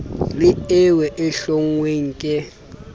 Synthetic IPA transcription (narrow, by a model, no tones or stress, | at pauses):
lɪɛwɛʔɛɬoŋweŋ̩kʼɛ